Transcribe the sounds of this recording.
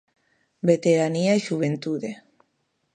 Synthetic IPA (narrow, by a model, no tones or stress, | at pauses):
bet̪eɾaniaiʃuβ̞ent̪uðe